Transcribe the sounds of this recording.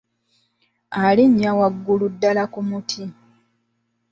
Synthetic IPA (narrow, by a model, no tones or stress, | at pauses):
aliɲːawaɡːuludːalakumutʰi